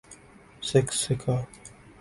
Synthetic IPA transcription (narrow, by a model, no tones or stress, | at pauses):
sɪksɪkʰa